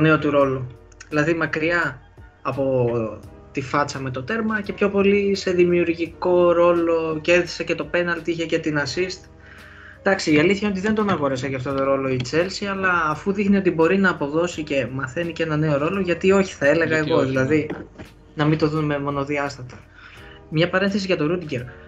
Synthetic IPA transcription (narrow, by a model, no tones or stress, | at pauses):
one̞o̞t̪uɾo̞lu | ðilɐðimɐkɾiɐː | po̞ | t̪ifɐt͡sɐme̞t̪o̞t̪e̞ɾmɐce̞pço̞po̞lise̞ðimiuɾʝiko̞ɾo̞lo̞ceɾði̥sece̞t̪o̞pe̞nɐlt̪içe̞ce̞t̪inɐsist̪ | d̪̥ɐksiːɐliθçɐo̞t̪iðe̞nd̪o̞nɐɣo̞ɾesɐcɐft̪o̞t̪o̞ɾo̞lo̞it͡se̞lsiɐlɐːfuðixnio̞t̪ibo̞ɾinɐːpoðo̞sice̞mɐθe̞nice̞nɐne̞o̞ɾo̞lo̞ʝɐt̪io̞çi̥θɐe̞le̞ɣɐe̞ɣo̞ðilɐði | nɐmint̪o̞ðunme̞mo̞no̞ðiɐst̪ɐt̪ɐ | mɲɐpɐɾe̞nθesiʝɐt̪o̞ɾud̪iɲɟe̞ɾ